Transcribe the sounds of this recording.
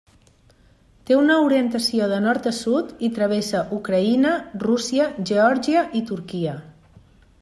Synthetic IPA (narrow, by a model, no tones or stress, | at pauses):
t̪eunəuɾiənt̪əsioðənɔɾt̪əsut̪it̪ɾəβ̞esəʔukɾəinərusiəʒeɔɾʒiəʔit̪uɾkiə